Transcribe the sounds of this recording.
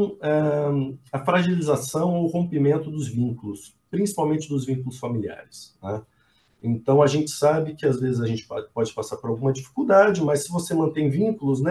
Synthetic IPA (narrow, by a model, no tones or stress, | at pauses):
ɛ | ɐfɾaʒilizasɐ̃w̃oʊhõpimẽnt̪ʊd̪ʊzvĩŋkulʊs | pɾĩsi̥pawmẽnt͡ʃɪd̪ʊzvĩŋkulʊsfamilia̰ɾɪsnɛ | ẽnt̪ɐ̃w̃ɐʒẽnt͡ʃɪ̥sabɪkɪazvezɪzɐʒẽnt͡ʃɪ̥pɔd͡ʒɪpasaɾpoɾawɡũmɐd͡ʒifi̥kuwd̪ad͡ʒɪmɐsːɪvosemɐ̃nt̪ẽj̃vĩŋkulʊz̬nɛ